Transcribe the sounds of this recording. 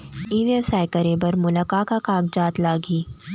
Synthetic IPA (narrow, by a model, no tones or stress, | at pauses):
iːʋjeʋsaːjkɐɾẽbɐɾmʊlakaːkakaːɡd͡ʒaːt̪laːɡiː